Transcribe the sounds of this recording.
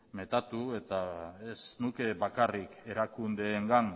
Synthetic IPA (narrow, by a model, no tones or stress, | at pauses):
me̞t̪at̪ue̞t̪aesnuke̞βakarike̞ɾakund̪e̞ːŋɡan